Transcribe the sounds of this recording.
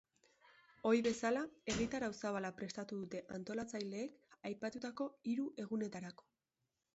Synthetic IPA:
o̞ɾjβe̞salae̞ɣit̪aɾawsaβalapɾe̞st̪at̪uðut̪e̞ʔant̪o̞lat͡sajle̞ːkajpat̪ut̪ako̞iɾuʔe̞ɣ̞une̞t̪aɾako̞̥

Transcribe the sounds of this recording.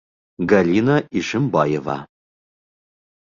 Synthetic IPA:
ɡɐliːnɐiʂɨmbɑːjɛva̰ː

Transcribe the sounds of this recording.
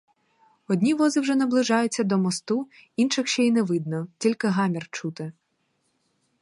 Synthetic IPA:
ɔdʲnʲiʋɔzɪwʒɛnɐblˠɪʒɑjʊt͡sʲːɐd̪ɔmɔst̪uinʃɪxʃt͡ʃɛinɛʋɪd̪̚nɔtʲilʲkɪɦɑmʲirt͡ʃut̪ɪ

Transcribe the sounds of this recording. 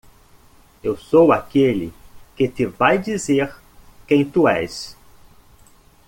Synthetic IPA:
ewsowakelɪ̰kɪt̪ɪvajd͡ʒizeɾ | kẽj̃t̪uɛ̰s

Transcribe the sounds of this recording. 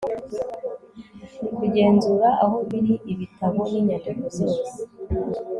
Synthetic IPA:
nikuɟe̞ːnzuːɾaʔaɦo̞βiɾiʔiβitʰaβo̞miɲadekozosi

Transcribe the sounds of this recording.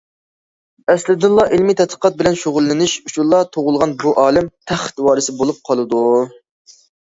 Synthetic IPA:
ɛslɪd̪ɨlˠːɑʔilmit̪ʰɛt̪qʰə̥qʰɑt̪̚bɪlɛnʃoʁʊlˠːɪnɪʃut͡ʃʰulˠːɑt̪ʰoʁʊlˠʁɑnbuʔɑːlɪmt̪ʰæχt̪wɑːɾɨsɪbolˠup̚qʰɑlˠɨd̪u

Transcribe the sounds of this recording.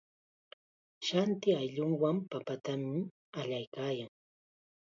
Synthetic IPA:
ʃant̪ɪajʎʊŋwampapat̪amɪ | aʎajkaːjaŋ

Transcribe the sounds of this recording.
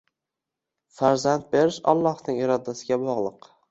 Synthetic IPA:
faɾzant̪̚be̞ɾɪʃa̰lˠːɒhnɪŋɪɾɒd̪asɪɡʲabɒʁlˠɨq

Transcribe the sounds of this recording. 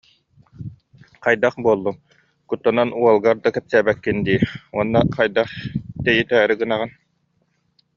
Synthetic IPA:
qajd̪aχbuɔlˠːum | kut̪ːɔnanuɔlˠɡaɾd̪akɛpsæːbɛkːind̪iːuɔnːaqajd̪aχt̪ɛjit̪ɛːɾiɡɯnaʁɯn

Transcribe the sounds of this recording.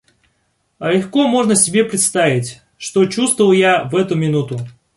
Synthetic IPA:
ɐlʲɪxkomo̞ʐnəsʲɪbʲe̞pɾʲɪt̪st̪avʲɪtʲ | ʂt̪ot͡ɕust̪vəvəlˠjavɛt̪ʊmʲɪnut̪ʊ

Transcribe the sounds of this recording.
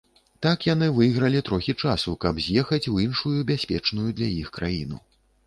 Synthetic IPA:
t̪akjan̪ɨvɨjɣɾɐlʲit̪ɾɔxʲit͡ʂasukɐbzʲjɛxɐt͡sʲwinʂujubʲasʲpʲɛt͡ʂnujud̪lʲaixkɾajinṵ

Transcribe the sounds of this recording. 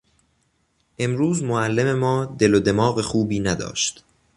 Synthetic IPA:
ʔe̞mɾuːzmoælːeme̞mɒːd̪e̞lod̪e̞mɒːɣexuːbiːnæd̪ɒ̰ːʃt̪

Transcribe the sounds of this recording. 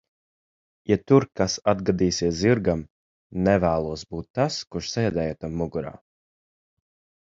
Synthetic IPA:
jat̪uɾkasad̪ɡad̪iːsiɛsziɾɡam | nɛvæːlˠuɔsbuːt̪ːaskuʃsɛjɛd̪ɛːjat̪amːuɡuɾa̰ː

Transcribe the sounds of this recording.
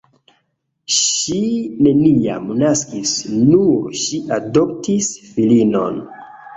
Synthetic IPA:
ʃine̞nia̰mnaskisnuʃiʔado̞ptisfilino̞̰n

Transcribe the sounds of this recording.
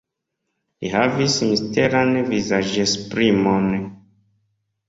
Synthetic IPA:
lihavismisteɾanvizaʒespɾimon

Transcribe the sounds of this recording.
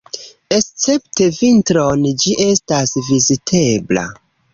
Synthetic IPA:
e̞st͡se̞pte̞vintɾo̞nd͡ʒiʔe̞stasvizitʰe̞bla̰

